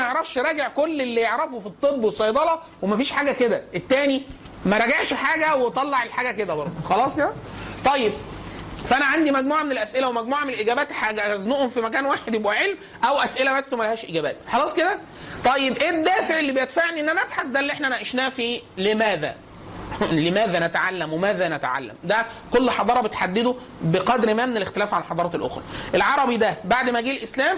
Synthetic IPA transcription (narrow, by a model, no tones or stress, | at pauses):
eʕɾˤɑfʃɾˤɑːɡeʕkolːelːijeʕɾɑfofit̪ˤːebːwesˤɑjd̪ˤɑlɑ | wemæfiːʃħaːɡæked̪æʔet̪ːæːni | mæɾˤɑɡeʕʃħaːɡæwet̪ˤɑlːɑʕelħaːɡæked̪æbɑɾˤd̪ˤxɑlɑːsˤjæt̪ˤɑjːeb̚fæʔænæʕand̪imæɡmuːʕamenelʔæsʔelæwemæɡmuːʕamenelʔeɡæːbæːt̪ħaɡæznuʔhomfimæk̬æːnwaːħed̪jebʔæʕelm | ʔæwʔæsʔelæmæsːuwmælæhæːʃʔeɡæːbæ̰ːt̪̚ħɑlɑːsˤked̪æ | t̪ˤɑjːebʔeːd̪ːæːfeʕelːibejed̪faʕniʔenːʔænæʔæbħasd̪ælːiʔeħnæʔænæʔeʃnæːfiːlemæːðæ̰ | lemæːðænæt̪ʕalːæmwemæːðænæt̪ʕa̰lːæ̰md̪æ | kolːħɑd̪ˤɑːɾˤɑbet̪ħad̪ːed̪o | beqɑd̪ɾmæmenelext̪elæːfʕalħɑd̪ˤɑːɾˤɑːelʔo̰xɾˤɑ̰ʔelʕɑɾˤɑbid̪æbaʕd̪mæɡiːlʔeslæːm